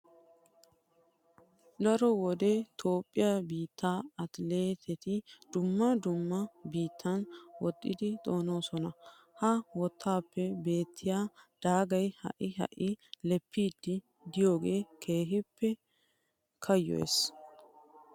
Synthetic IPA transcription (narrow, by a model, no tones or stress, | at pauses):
d̪ɐɾɔwɔd̪et̪ʰo̞ːpʼːɪjɐbiːt̪ʰːaːɐt̪le̞ːt̪ʰɛt̪ɪd̪̥ʊmːɐd̪ʊmːɐbiːt̪ʰːɐnwɔt̪ʼːɪd̪ɪt̪ʼo̞ːno̞ːsɔnɐ | hɐwɔt̪ʰːaːpːɛbe̞ːt̪ʰːɪjaːd̪̥aːɡɐjhɐ̰ʔɪɦɐ̰ʔɪlɛpʰːiːd̪ːɪ | d̪ɪjo̞ːɡe̞ːkʰe̞ːɦɪpʰːɛ | kʰɐjːɔ̰s